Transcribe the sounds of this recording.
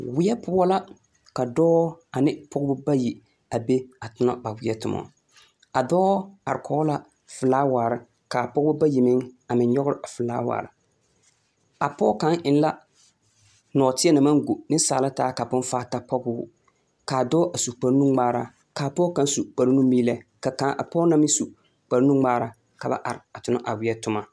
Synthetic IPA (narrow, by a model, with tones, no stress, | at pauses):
wɪ˦ɛ˦pʊ˦a˦la˦ | ka˨dɔː˦a˨nɪ˦pʰɔ˦ɡbʊ˦ba˦ji˨ | a˨be˦a˨tʊ˦na̰˦ba˨wɪ˦ɛ˦tʊ˨mɔ̰˨ | a˨dɔː˦a˨ɾɪ˨kʰɔ˨˦la˦ | fɨ˨laː˦waː˨ɾɪ˨ | ka˨pɔ˦ɡbʊ˦ba˦ji˨mɪ˦ŋa˨mɪ˨nɲɔ˦ɣʊ˦ɾɪ˦ʔa˨fɨ˨laː˦wa̰ː˨ɾɪ˨ | a˨pɔ˦ka˦ŋʔɪ˨n˦la˦ | nɔː˨tɪ˦ɛ˦na˨ma˦ŋɡu˨nɪ˦saː˨la˦taː˦ka˨pʊ˦n˦faː˦ta˦pɔ˦ɡʊ˦ | ka˨dɔː˦ʔa˨su˨k͡pa˨ɾnu˦ŋ͡maː˦ɾa˨ | kaː˨pɔː˦ka˦n˦su˨k͡pa˨ɾnu˦mi˦lɛ˦ka˨ka˦ʔa̰˨pɔː˦na˦mɪ˦su˨ | k͡pa˨ɾnu˦ŋ͡maː˦ɾa˨ | ka˨ba̰˦ʔa˨ɾɪ˨a˨tʊ˨na˦ʔa˨wɪ˦ɛ˦tʊ˦ma˨